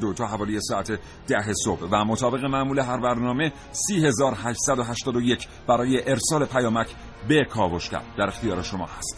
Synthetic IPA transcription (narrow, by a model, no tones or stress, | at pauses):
d̪ot̪ʰɒːhævɒːlijesɒːæt̪ʰe̞ | d̪̥æɦe̞sobvæmot̪ʰɒːbe̞ɣe̞mæʔmuːle̞ɦæɾbæɾnɒːme̞ | siːhe̞zɒːɾhæʃt̪sæd̪oɦæʃt̪ɒːd̪o̞jecʰ | b̥æɾɒːjeʔeɾsɒːle̞pʰæjɒːmæcʰ | be̞kʰɒːvo̞ʃcʲʰæ̰ɾd̪̥̚ːæɾe̞xt̪ijɒːɾe̞ʃo̞mɒ̰ːhæst̪